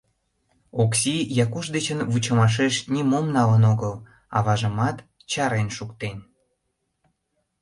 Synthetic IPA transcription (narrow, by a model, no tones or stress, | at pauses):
oksijɑkuʃd̪et͡ɕənvut͡ɕəmɑʃ̬eʃnʲimomnɑlənoɣəl | ɑ̰βɑʒəmɑt̪ | t͡ɕɑɾenʃukt̪en